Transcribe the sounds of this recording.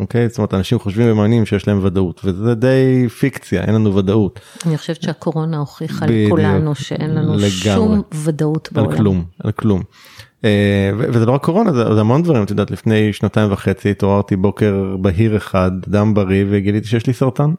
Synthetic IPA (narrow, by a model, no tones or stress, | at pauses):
ʔokejzstomeet̪anaʃimχoʃvimbemaːnimʃejeʃlae̞mvadautvezed̪e̞jfikt͡sja̰ʔḛnlanuvadautaniχo̥ʃevʃeakoʁo̞naoχiχalbiudlunuʃeʔʔenlanuleɡaumvadautbalkluma̰lklum | evevezelo̞akʰːo̞ʁo̞nazezeamo̞nd̪vaʁimt̪jd̪aːt̪lifne̞jʃnataimvaχet͡sit̪oaʁt̪ibo̞ke̞ʁbaɦiʁeχad̪dambaʁiveɡid̪lit̪iʃejɛʃlisaʁtan